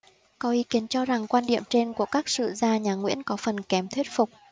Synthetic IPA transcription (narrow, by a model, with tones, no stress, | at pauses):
kɔ˨˦ʔi˨˦ki˨˦ənt͡ɕɔ˧za˨˩ŋkwaː˧nɗḭ˧˨əmt͡ɕe˧nku˧˩əkaː˦˥k̚sɨ̰˧˨zaː˧ɲaː˨˩ŋwḭ˧˥ənkɔ˨˦fə˨˩nkɛ˨˦mt̪ʰwt̚fʊ˨˩k͡p̚